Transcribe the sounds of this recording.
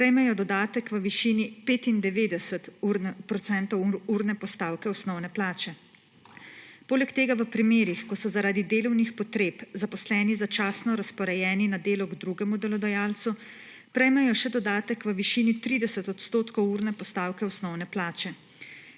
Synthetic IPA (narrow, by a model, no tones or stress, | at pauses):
pɾɛjmɛjɔd̪ɔd̪aːt̪əkʋəʋiʃiːnipeːt̪ind̪ɛʋeːd̪ɛsət̪uɾnpɾɔt̪sɛnt̪ɔwuɾnɛpɔst̪aːwkɛɔsnɔwnɛplaːt͡ʃɛ | poːlɛkt̪eːɡaʋəpɾimeːɾixkɔsɔzaɾaːd̪id̪eːlɔwnixpɔt̪ɾeːpzapɔslɛːnizat͡ʃaːsnɔɾaspɔɾɛjɛːninad̪eːlɔɡd̪ɾuɡɛmud̪ɛlɔd̪ɔjaːlt̪su | pɾɛjmɛjɔʃɛd̪ɔd̪aːt̪əkʋəʋiʃiːnit̪ɾiːd̪ɛsət̪ɔt̪st̪oːt̪kɔwuɾnɛpɔst̪aːwkɛɔsnɔwnɛplaːt͡ʃɛ